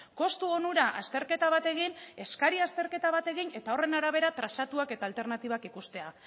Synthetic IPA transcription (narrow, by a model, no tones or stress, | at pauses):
ko̞st̪uo̞nuɾaʔast̪e̞ɾke̞t̪aβ̞at̪e̞ɣine̞skaɾiast̪e̞ɾke̞t̪aβat̪e̞ɣine̞t̪ao̞re̞naɾaβ̞e̞ɾat̪ɾasat̪uake̞t̪aːlt̪e̞ɾnat̪iβakikust̪e̞a